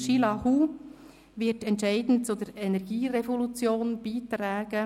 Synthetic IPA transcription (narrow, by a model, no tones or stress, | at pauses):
ʃilɑhu | ʋɪtɛntʃɛɪdn̩t̚t͡sʊd̪əɾɛnɛɾɡ̥iːrefolut͡sjoːnb̥iːt̪ræːɡ̥ə